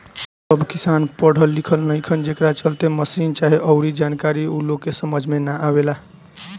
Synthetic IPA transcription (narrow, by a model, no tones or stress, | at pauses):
səbʱkisanpəɽ̤ʱəlːikʰəlnəjkʰənd͡ʒekɾat͡ʃəlt̪eməsint͡ʃaɦiʔəʊɾid͡ʒankaɾiuloɡkːesəməd͡ʒʱmenaʔawela